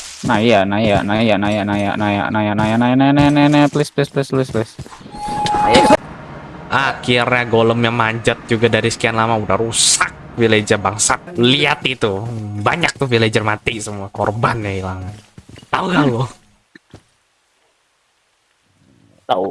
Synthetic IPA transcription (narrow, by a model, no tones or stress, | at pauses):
najanajanajanajaʔnaja̰ʔnaja̰ʔnajaʔnajanajanananɛnɛplɪsplɪsplɪsplɪsplɪs | aja | ʔahkiarɲaɡoləmɲamaɲd͡ʒət̪̚d͡ʒuɡadaɾisə̥kianlamaudahrusak̚filed͡ʒərbaŋsat̪liat̪it̪ubaɲak̚t̪ʊhviled͡ʒərmat̪isəmuakorbanjailaŋant̪auɡalo | t̪a